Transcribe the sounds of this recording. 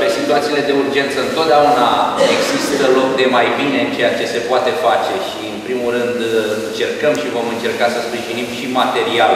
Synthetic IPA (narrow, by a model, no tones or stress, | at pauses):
pesit̪uat̪sile̞d̪e̞urd͡ʒe̞nt̪səɨnt̪o̞t̪̚d̪eaunaeɡz̥ist̪əlo̞k̚d̪e̞majbine̞t͡ʃe̞jat͡ʃe̞se̞poat̪e̞fat͡ʃe̞ʃiɨnpɾimulrɨnd̪ɨnt͡ʃe̞rkəmʃivo̞mɨnt͡ʃe̞rkasəspɾiʒinimʃimat̪e̞ɾial